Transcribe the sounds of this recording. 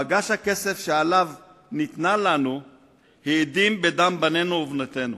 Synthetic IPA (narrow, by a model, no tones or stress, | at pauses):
aɡaʃhake̞se̞fʃealav | nit̪nalanu | heid̪imbe̞d̪ambane̞nuovnat̪e̞nu